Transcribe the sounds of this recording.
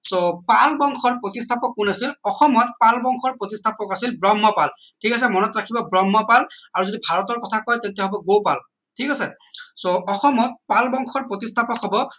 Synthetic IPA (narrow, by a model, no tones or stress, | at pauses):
sopalbɔŋkʰɔɹpɹotistʰapɔk̚ːunasilɔxɔmɔt̚palbɔŋkʰɔɹpɹotistʰapɔkasilbɹɔmːɔpal | tʰikas̬ɛmɔnɔtɹakʰibɔbɹɔmːɔpalaɹuzodibʱaɹɔtɔɹkɔtʰakɔjtentijaɦɔbɔɡowpal | tʰikasɛ | soʔɔxɔmɔt̚palbɔŋxʰɔɹpɹotistʰapɔkɦɔbɔ